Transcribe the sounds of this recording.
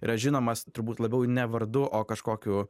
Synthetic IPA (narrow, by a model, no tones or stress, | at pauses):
ɪɾɐʒʲɪnoːmɐst̪ʊɾbuːt̪lˠɐbʲɛʊnʲɛʋɐɾd̪ʊʔoːkɐʃkoːkʲuː